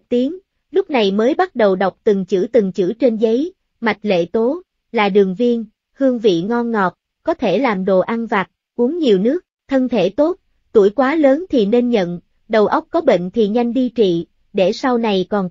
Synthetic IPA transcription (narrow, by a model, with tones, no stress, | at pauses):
t̪i˨˦əŋ | lʊ˦˥k͡p̚na˨˩jməː˨˦jɓa˦˥t̚ɗə˨˩wɗa˨˩wk͡p̚t̪ɨ˨˩ŋt͡ɕɨ̰˧˥t̪ɨ˨˩ŋt͡ɕɨ̰˧˥t͡ɕe˧nzə˨˦j | ma˨˩jk̟̚lḛ˧˨t̪o˨˦ | laː˨˩ɗɨ˨˩əŋvi˧ən | hɨ˧əŋvḭ˧˨ŋɔ˧nŋɔ˨˩p̚ | kɔ˨˦t̪ʰe˧˩laː˨˩mɗo̰˧˨ʔa˧nvaː˨˩t̚ | ku˨˦əŋɲi˨˩əwnɨ˦˥ək̚t̪ʰə˧nt̪ʰe˧˩t̪o˦˥t̚ | t̪u˧˩jkwaː˨˦ləː˨˦nt̪ʰi˨˩ne˧nɲə̰˧˨n | ɗə˨˩wʔə˦˥wk͡p̚kɔ˨˦ɓḛ˧˨ŋ̟t̪ʰi˨˩ɲa˧jŋ̟ɗi˧t͡ɕḭ˧˨ | ɗe˧˩sa˧wna˨˩jkɔ˨˩n